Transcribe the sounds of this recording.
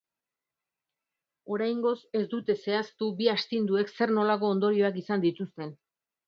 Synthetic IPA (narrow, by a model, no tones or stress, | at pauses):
o̞ɾajŋɡo̞se̞zd̪ut̪e̞se̞ast̪ubiast̪ind̪ue̞kse̞ɾno̞lako̞ːnd̪o̞ɾio̞akisand̪it̪ust̪e̞n